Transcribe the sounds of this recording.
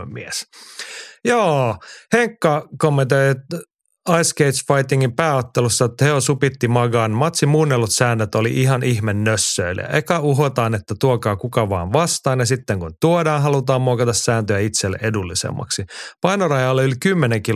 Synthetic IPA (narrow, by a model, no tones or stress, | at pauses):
mies | joːheŋkːɑkomːent̪oj | ɑjskeit̪sfɑjt̪ːiŋːimpæːot̪ːelusːɑet̪ːæheosupit̪ːimɑɡɑːnmɑt̪simuːnːelːut̪sæːnːøt̪olḭʔiɦɑnʔihmenːøsːøil̰æ̰ʔekɑuɦot̪ɑːnet̪ːæt̪uokɑːkukɑʋɑːnʋɑst̪ɑːnjɑsit̪ːeŋkunt̪uodɑːnɦɑlut̪ɑːmmuokɑt̪ɑssæːnt̪øjæit̪selːḛʔedulːisḛmːɑ̰ksipɑinorɑjɑːlːeylkymːeneŋki